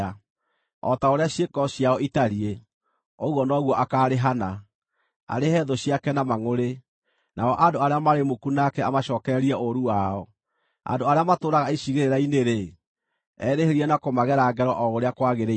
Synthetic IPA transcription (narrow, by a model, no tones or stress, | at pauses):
a | ɔ̰taoɾeaɕjekɔɕiaɔitaɾie | oɣwɔnɔɣwɔʔakaɾeɦana | a̰ɾehɛðɔɕiakɛnamaŋoɾe | naɔʔandoaɾeamaɾemokunakɛamaɕɔːkɛɾɛɾiaʔoɾuwaɔ | a̰ndoaɾeamatoːɾaɣaiʃiɣeɾeɾaineɾe | ɛɾeheɾianakomaɣɛɾaɡɛɾɔʔɔoɾeakwaɣeɾe